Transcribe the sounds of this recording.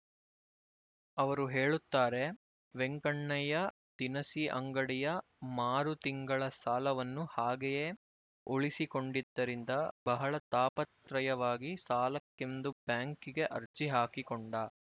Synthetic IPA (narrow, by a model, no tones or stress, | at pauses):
ɐʋɐɾuɦeːɭut̪ːaːɾe̞ | ʋeŋkɐɳːɐjɐ | t̪inɐsiʔɐ̰ŋɡɐɽijɐ | maːɾut̪iŋɡɐɭɐsaːlɐʋɐnːuhaːɡejeː | oɭisikoɳɖid̪ːɐɾind̪ɐbɐɦɐɭɐt̪aːpɐt̪ɾɐjɐʋaːɡisaːlɐkːend̪ubjaːŋkiɡe̞ʔɐɾt͡ʃiɦaːkikɔɳɖɐ